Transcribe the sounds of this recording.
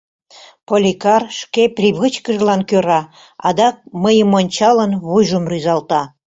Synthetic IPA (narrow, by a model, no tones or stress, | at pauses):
polʲikɑrʃkeprʲiβɨt͡ɕkəʒlɑnkøɾɑ | ɑ̰d̪ɑk̚məjəmonʲt͡ɕɑlənβujʒəmryzɑlt̪ɑ